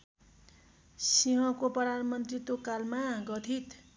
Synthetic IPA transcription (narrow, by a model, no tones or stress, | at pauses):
siɦʌ̃koprʌd̪ʱanmʌnt̪rit̪okalmaɡʌt̪ʰit̪